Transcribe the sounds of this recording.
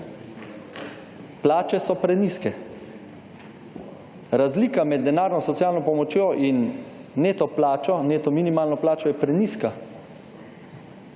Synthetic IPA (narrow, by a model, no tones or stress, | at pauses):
plaːt͡ʃɛsɔpɾɛniskɛ | ɾazliːkamɛd̪̚ːɛnaːɾnɔsɔt̪jaːlnɔpɔmɔt͡ʃjoːʔinːeːt̪ɔplaːt͡ʃɔneːt̪ɔminimaːlnɔplaːt͡ʃɔjɛpɾɛniːska